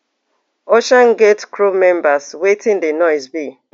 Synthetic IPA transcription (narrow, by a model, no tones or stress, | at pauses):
oʃanɡetkɹumɛ̃mbaswetʰɪ̃ndenɔɪzbi